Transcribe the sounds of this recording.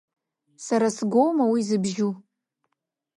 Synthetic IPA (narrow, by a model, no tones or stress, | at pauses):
saɾasɡʷowmawizɨbʒu